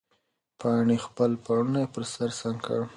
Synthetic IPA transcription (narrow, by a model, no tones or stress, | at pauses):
pʰɑɳexpəlpɑɽunajepəɾsaɾsaŋkə̰ɽ